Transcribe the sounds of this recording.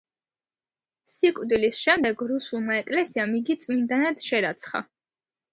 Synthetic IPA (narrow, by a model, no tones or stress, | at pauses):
sikʼd̪wilisʃɛmd̪ɛɡɾusulˠmaɛkʼlɛsiamiɡit̪sʼmind̪anad̪̥ʃɛɾat̪sʰχa̰